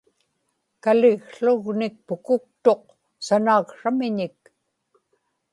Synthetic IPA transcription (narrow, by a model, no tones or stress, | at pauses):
kalɪɣɬʊɣnɪk̚pʊkʊk̚t̪o̞q̚ | sanaːkʂamɪɲɪk